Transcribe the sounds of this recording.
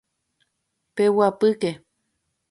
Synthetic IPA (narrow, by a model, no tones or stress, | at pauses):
pewapɨke